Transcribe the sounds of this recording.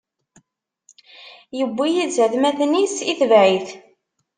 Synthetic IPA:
jəbːijizæðmæθnisiθəvʕiθ

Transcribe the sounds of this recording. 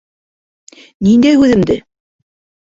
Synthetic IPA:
nind̪æjʉðɘ̆md̪ɘ

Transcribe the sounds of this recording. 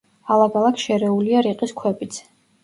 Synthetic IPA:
alˠakalˠakʰʃɛɾɛuliaɾiqʼiskʰwɛpʼit̪sʰ

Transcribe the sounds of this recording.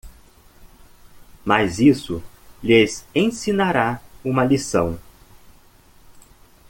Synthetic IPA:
mazisʊlezẽsinaɾaũmɐlisɐ̰̃w̃

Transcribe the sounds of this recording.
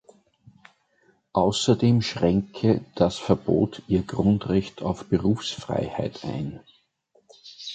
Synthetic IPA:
ʔaʊsɐdeːmʃʁɛŋkʰəd̥asfɛɐb̥o̰ːtʰiːɐɡʁʊntʁɛçtʰɑ̰ʊfb̥əʁuːfsfʁ̥a̰ɪhæ̰ɪtʰʔæ̰ɪn

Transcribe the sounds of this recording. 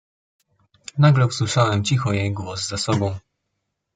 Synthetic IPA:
naɡlɛuswɘʂawɛmt͡ɕixɔjejɡwɔzzasɔbɔ̃w̃

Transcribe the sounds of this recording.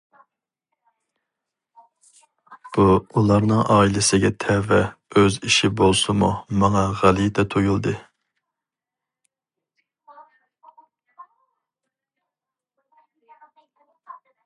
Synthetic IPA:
b̥uulˠɑɾnɨŋɑːilɪsɪɡʲɛt̪ʰɛvɛøziʃibolˠsumumɑŋɑʁælˠit̪ɛt̪ʰojulˠd̪ɨ

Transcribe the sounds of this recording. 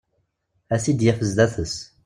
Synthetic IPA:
æsid̪jæfəzd̪æθəs

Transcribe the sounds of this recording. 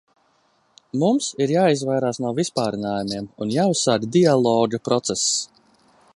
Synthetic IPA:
mumsiɾjaːizvajɾaːsnuɔvispaːɾinaːjumiɛmunjaːʊsːaɾd̪ʲd̪ialˠɔːɡapɾɔt̪sɛsː

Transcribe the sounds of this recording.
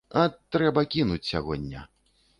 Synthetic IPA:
ɐt̪ɾɛbɐkʲinut͡sʲsʲaɣɔ̰d̪ʲnːʲɐ̰

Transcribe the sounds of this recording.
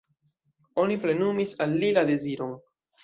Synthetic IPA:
o̞niple̞numisalːilade̞ziɾo̞n

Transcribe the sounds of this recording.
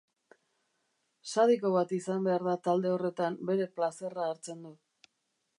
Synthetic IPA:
saðiko̞βat̪isambe̞aɾðat̪ald̪e̞o̞re̞t̪ambe̞ɾe̞plase̞raːɾt͡se̞nd̪u

